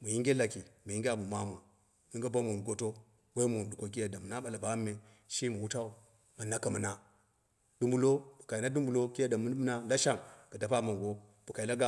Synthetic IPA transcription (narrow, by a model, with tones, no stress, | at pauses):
mu˨ji˦ŋɡʲe˦la˨ki˨mu˨i˦ŋɡʲa˦˨bu˨ma˦mu˨ | ni˦ŋɡa˦ba˦mu˨ɡo˦to˦ | we˦mu˨du˨ko˦k̬i˦ja˨da˨mu˨na˦ɓa˨la˨ba˦mːe˨ | ʃi˦mu˨wu˦ta˦u˦ | ma˨na˦ka˨mu˨na˨ | d̥u˦mbu˨lo˦bu˨ka˨i˨na˦du˦mbu˨lo˦ki˦ja˦da˨mu˦n˦m˦na˦la˦ʃa˦˨ŋka˨da˨pa˦ma˨ŋɡo˦ | b̥u˨ka˨i˨la˦ɡa˦